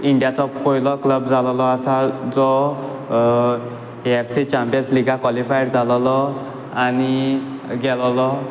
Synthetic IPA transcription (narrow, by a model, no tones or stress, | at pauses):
indijatʰɔp̚koilɔkləbzalɔlɔasazɔ | epʰsit͡ʃampijɔnsliɡakwalipʰajɽzalɔlɔ | aniɡɛlɔlɔ